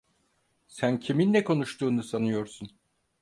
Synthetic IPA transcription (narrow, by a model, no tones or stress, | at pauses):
sæncʰiminːɛkʰo̞nuʃt̪uːnusanɯjo̞ɾsun